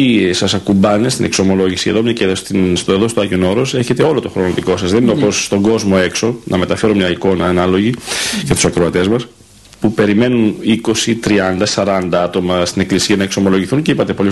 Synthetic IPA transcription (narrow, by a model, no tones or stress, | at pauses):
isɐsɐkumbɐnest̪inʔe̞kso̞mo̞lo̞ʝisiḛðo̞mɲɐceðosiseðo̞st̪oɐʝio̞no̞ɾo̞se̞çe̞t̪e̞o̞lo̞t̪o̞xɾo̞noðiko̞sɐzðe̞nineoposːt̪o̞ŋɡo̞zmo̞e̞kso̞nɐme̞t̪ɐfe̞ɾo̞mɲɐiko̞nɐːnɐlo̞ʝicet̪u̥sɐkɾoɐt̪e̞zmɐs | pupe̞ɾime̞nuniko̞sit̪ɾiɐnd̪ɐsɐɾɐnd̪ɐɐt̪o̞mɐst̪ine̞klisiɐnɐekso̞mo̞lo̞ʝiθuncipɐt̪e̞po̞li